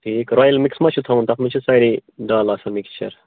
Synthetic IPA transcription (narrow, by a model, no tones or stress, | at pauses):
ʈʰiːkɾaːjɐlmiksmɐt͡ʃʰut̪ʰɐũnt̪ɐkmit͡ʃʰusɐɾiɖaːlaːsɐmikst͡ʃɐ̰ɾ